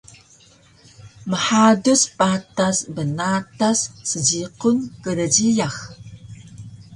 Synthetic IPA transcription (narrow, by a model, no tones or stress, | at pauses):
məħaduspatasbənatasːəd͡ʑiqunkəɾəd͡ʑijax